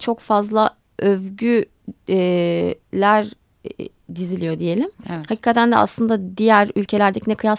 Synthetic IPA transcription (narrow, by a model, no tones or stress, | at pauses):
t͡ʃʰo̞kfazlˠa | ʔøvɟy | lʲæɾ | d̪izilʲijo̞d̪ije̞lʲimhacʰiːkʰat̪ʰænd̪ɛʔa̰slˠɯnd̪ad̪ijæɾylʲcʰelʲæɾd̪ɛcnɛkɯjas